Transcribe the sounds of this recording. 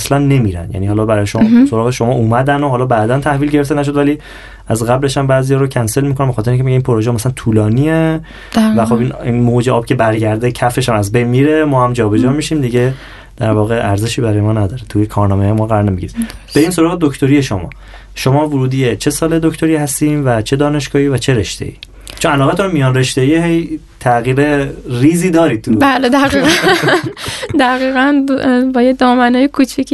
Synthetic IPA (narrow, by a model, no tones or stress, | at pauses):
slænːe̞miːɾæ̰njæ̰niːhɒːlɒːbæɾɒːjeʃomɒːsoɾɒːɣeʃomɒːʔuːmæd̪ænoɦɒːlɒːbæːd̪ænt̪ʰæhviːlɟe̞ɾe̞ft̪enæʃ̬o̞d̪væliː | æzɣæble̞ʃæmbæːzijɒːɾocʰænselmiːkonæmbexɒːt̪ʰeeiŋcʰemecæeinpʰoɾoʒeɒmæslænt̪ʰuːlɒːniːe | væxo̞biːninmod͡ʒeʔɒːbcʰe̞bæɾɟæɾd̪ecʰæfe̞ʃæmæzbejnmiːɾe̞mɒːhæmd͡ʒɒːbe̞d͡ʒɒːmiʃiːmd̪iɟe | d̪̥æɾvɒːɣeʔæɾze̞ʃiːbæɾɒːjemɒːnæd̪ɒːɾet̪ʰujekʰɒːɾnɒːmejmɒːɣæɾɒːɾnemiɟiɾib̥eiːns̬o̞ɾɒːɣed̪oct̪ʰo̞ɾijeʃomɒ̰ː | ʃomɒːvoɾuːd̪iːjet͡ʃʰe̞sɒːle̞d̪ocʰt̪ʰoɾiːhæst̪iːnvæt͡ʃʰe̞d̪ɒːne̞ʃɡ̥ɒːhiːvæt͡ʃʰeɾe̞ʃt̪ḛʔḭː | t͡ʃʰonælɒːɣæt̪ʰunmijɒːnre̞ʃt̪eihej | t̪ʰæɣiːɾeriːziːd̪ɒːɾiːd̪̚t̪ʰubæːled̪æɣiːæ | d̪æɣiːɣænbɒːjed̪ɒːmænɒːjekʰut͡ʃʰik